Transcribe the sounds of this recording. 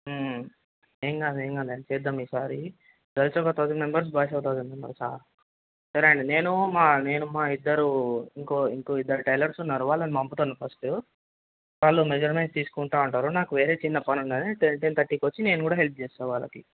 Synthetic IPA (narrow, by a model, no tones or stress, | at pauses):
eːŋɡaːd̪eːŋɡaːd̪ant͡ʃɛːd̪ːɐmiːsaːɾi | d̪ɐɾit͡ʃɔkɐt̪aːd̪imembɐɾs̬baːʃ̬ɐwt̪aːd̪ɐmembɐ̰ɾsa̰ːɾ | sɐɾeɳɖine̞ːnumaːne̞ːnumaːid̪ːɐɾuiŋkoːiŋkoːid̪ːɐɾiʈɐjlɐɾsunːaːɾuʋaːɭːɐnimɐmput̪oːnːɐpʰɐsʈu | ʋaːɭːumed͡ʒɐɾmenst̪iːsu̥kuɳʈaːuɳʈaːɾunaːkuʋe̞ːɾe̞ːt͡ʃinːɐpɐnuɳd̪ɐnieʈent̪ɐʈːikʋot͡ʃːine̞ːnukuːɽaːɦe̞lp̚ʰt͡ʃeːsaːʋaːɭːɐ̰ki